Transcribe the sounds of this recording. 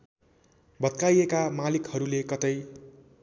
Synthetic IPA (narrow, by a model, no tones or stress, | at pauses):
bʌt̪̚kajekamalikhʌɾulekʌt̪ʌj